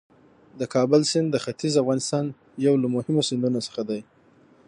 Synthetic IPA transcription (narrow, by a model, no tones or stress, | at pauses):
d̪əkʰɑbʊlsɪnd̪dːəxat̪izafɣɑnɪst̪ɑn | jawlamʊhɪmosɪnd̪unosə̥xad̪aj